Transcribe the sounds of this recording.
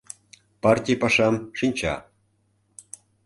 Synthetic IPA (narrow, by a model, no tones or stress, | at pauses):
pɑrtʲijpɑʃɑmʃinʲt͡ɕɑ̰